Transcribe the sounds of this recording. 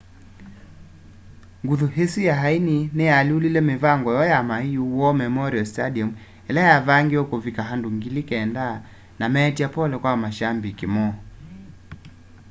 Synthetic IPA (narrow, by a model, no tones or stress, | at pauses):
ŋɡuðuɦesijaɦaininɛaliulilɛmevaŋɡɔjɔjamaijuwɔmɛmɔɾiɔstadiɔmu | ɛlajavaŋɡiɔkovikaɦanduŋɡilikɛːnda | namɛtiapɔlɛkwamaʃambikemɔ